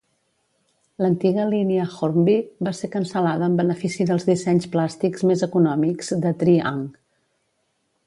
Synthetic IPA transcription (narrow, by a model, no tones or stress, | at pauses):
lənt̪iɣəliniəxoɾmbiβasekənsəlaðəːmbənəfisiðəlˠzðisɛɲsplast̪ikzmezəkunɔmikz̥d̪ət̪ɾiaŋ